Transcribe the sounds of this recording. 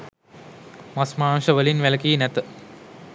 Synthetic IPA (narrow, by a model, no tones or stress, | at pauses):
masmaːŋʃəʋəlinʋæləkiːnæt̪ə